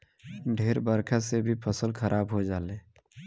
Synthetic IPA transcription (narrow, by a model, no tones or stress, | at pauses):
ɖʱeːɾbəɾkʰasebʱipʰəsəlkʰəɾʔaːbɦod͡ʒaːleː